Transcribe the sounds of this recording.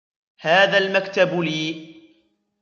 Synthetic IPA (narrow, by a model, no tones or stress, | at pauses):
haːðaːlmakt̪abliː